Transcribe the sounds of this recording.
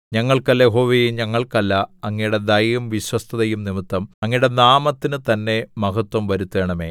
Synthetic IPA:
ɲɐŋːɐɭkɐlːɐjeɦo̞ːʋejuɲɐŋːɐɭkɐlːɐɐŋːɐjɽe̞d̪ɐjjumʋiɕwɐst̪ʰɐðɐjumnimit̪ːɐmɐŋːɐijuɽe̞naːmɐt̪ːinɨt̪ɐnːe̞mɐɣɐt̪wɐmʋɐɾut̪ːe̞ːɳɐme̞̰ː

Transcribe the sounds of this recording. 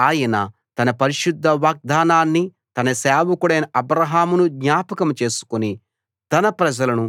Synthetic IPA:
aːjɐnɐ | t̪ɐnɐpɐɾiʃud̪ʱːɐʋaːɡ̚d̪ʱaːnaːnːi | t̪ɐnɐsaːʋɐkuɽɐjnɐʔɐbɾɐɦaːmunuɡɲaːpɐkɐmt͡ʃe̞ːsu̥kuni | t̪ɐnɐpɾɐd͡ʒɐlɐnu

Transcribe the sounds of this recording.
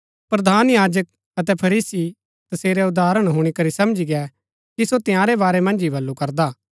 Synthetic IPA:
pɾɐd̪ʱaːnjaːd͡ʒək̚ | ɐt̪̬ɛpʰɐɾiːsi | t̪ɐseːɾɛʊd̪aːɾəɽ̃ɦʊɽ̃ikɐɾisɐmd͡ʒiɡɛ | kisot̪ɪ̃jãːɾɛbaːɾɛmɐ̃nd͡ʒibɐlːukɐɾd̪aː

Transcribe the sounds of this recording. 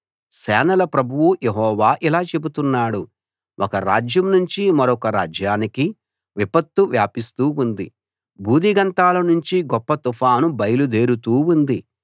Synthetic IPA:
sɛːnɐlɐpɾɐbʱuwujeɦɔːʋaːʔilaːt͡ʃe̞but̪unːaːɽu | wʔɔkɐɾaːd͡ʒjɐmnuɲt͡ʃimɐɾɔkɐɾa̰ːd͡ʒjaːniki | ʋipɐt̪ːuʋjaːpist̪uːund̪i | bʱuːd̪ʱiɡɐnt̪aːlɐnuɲt͡ʃiɡɔpːɐt̪upʰaːnubɐjlud̪e̞ːɾut̪uːund̪i

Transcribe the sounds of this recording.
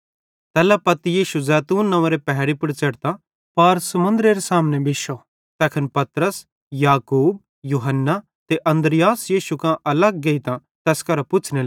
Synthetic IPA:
t̪ɛːlapɐt̪ijiːʃuzɛːt̪uːnːɐ̃ʋãɾepɛɦɾipʊɽt͡ʃɐɽt̪a | pɐɾsɐmʊ̃nd̪ɾeːɾesaːmnẽbɪʃo | t̪ɛːkʰənpɐt̪ɾəs | jaːkuːb̚ | juːɦənːa | t̪eʔɐ̃nd̪ɾɪjaːsjiːʃukãʔɐlɐɡːɐit̪ã | t̪ɛːskɐɾpʊt͡ʃʰne

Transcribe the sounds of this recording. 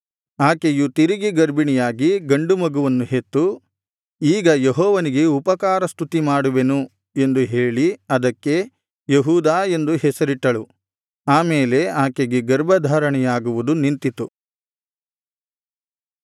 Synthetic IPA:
aːkejut̪iɾiɡiɡɐɾbiɳɛjaːɡiɡɐɳɖumɐɡuʋɐnːuɦet̪ːu | iːɡɐjeɦɔːʋɐniɡe̞upɐkaːɾɐst̪ut̪imaːɽuʋe̞nu | e̞nd̪uɦeːɭiɐd̪ɐkːe̞ | jeɦuːd̪aːe̞nd̪uɦɛsɐɾiʈːɐɭu | aːmeːle̞aːkeɡeɡɐɾbɐd̪ʱaːɾɐɳɛjaːɡuʋud̪unint̪it̪u

